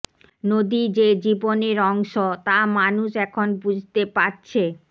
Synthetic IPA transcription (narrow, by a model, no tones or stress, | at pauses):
nod̪id͡ʑed͡ʑiboneɾɔŋʃot̪amanuʃɛkʰonbud͡ʑʱt̪epaɾt͡ɕʰe